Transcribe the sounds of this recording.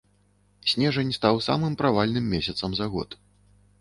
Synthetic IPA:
sʲnʲɛʐɐnʲst̪awsa̰mɨmpɾavalʲnɨmːʲɛsʲɐt̪sɐmzaɣɔ̰t̪

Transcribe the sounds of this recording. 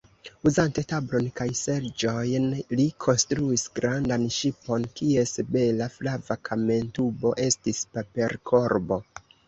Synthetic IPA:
uzante̞tablo̞nkajse̞ɾd͡ʒo̞jnlikʰo̞nstɾuisɡɾandanʃipo̞nkie̞sebe̞laflavakʰame̞ntubo̞ʔe̞stispape̞ɾkʰo̞ɾbo̞

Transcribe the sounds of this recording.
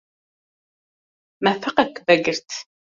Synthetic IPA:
mæfəqækːvæɡəɾt̪

